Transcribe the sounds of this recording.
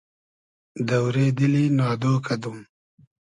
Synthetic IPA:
d̪ɐwɾed̪ilinɑːd̪oːkʰɐd̪um

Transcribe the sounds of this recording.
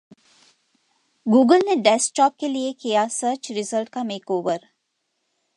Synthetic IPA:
ɡuːɡəlneɖɛs̚ʈɔːp̚keliekijasəːɾt͡ʃɾɪzəlʈkameːkoːʋəɾ

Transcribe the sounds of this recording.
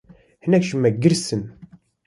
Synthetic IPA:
hɨnɛkʃumɛɡɨɾsɨn

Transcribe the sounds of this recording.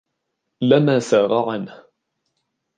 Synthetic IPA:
lamaːsaːɣɑʕanh

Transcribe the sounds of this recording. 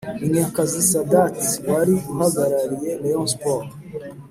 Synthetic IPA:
iɲekazisadatwaɾiuɦaɡaɾaɾijeleɔ̃nspɔɾ

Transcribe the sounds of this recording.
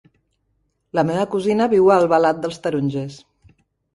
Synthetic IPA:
ləmeβəkuzinəβiwəːlˠβəlat̪̚d̪əlˠst̪əɾunʲʒes

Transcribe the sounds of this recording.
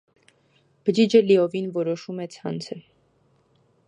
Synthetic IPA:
b̥əd͡ʒid͡ʒəliɔvinvɔɾɔʃumɛt͡sʰɑ̰nt͡sʰə

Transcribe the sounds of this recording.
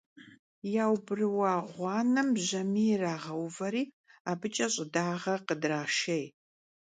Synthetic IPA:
jaːwbɨrɨwɑːʁʷɑːnɐmʑɐmiːraːʁɐwvɐɾiː | aːbɨt͡ʃʼɐɕʼɪdaːʁɐqədraːʃej

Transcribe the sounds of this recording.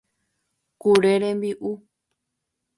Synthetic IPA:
kuɾeɾẽmbiʔu

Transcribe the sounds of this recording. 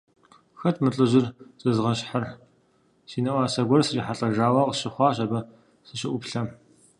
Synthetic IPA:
xɐtʰmɨɬʼɨʑɪrt͡sʼɨzʁɐɕħar | siːnɐʔʷɑːsɐɡʷɔrsɨriːħaɬʼɐʒaːwɐqəɕɪχʷɑːɕʼɐbɐ | sɨɕɪʔʷʊpɬɐm

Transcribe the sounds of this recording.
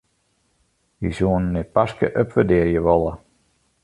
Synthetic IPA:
jisuənːɛt̚paskə̰ʔøpʋədɪəjəʋɔlˠə

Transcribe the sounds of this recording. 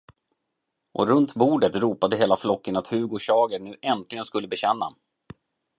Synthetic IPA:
ʔɔ̰ɾɵnt̪buːɖət̪ɾuːpad̪əɦeːlaflɔkːənat̪hʉ̟ːɡɔɕɑːɡəɳʉ̟ːʔɛnt̪lɪɡənskɵlːəbɛɕɛnːa̰

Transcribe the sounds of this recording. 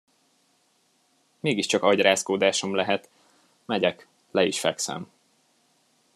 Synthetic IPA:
meːɡiʃt͡ʃɒkɒɟraːskoːd̪aːʃomlɛɦɛt̪ | mɛɟɛk | lɛiʃfɛ̰ksɛ̰m

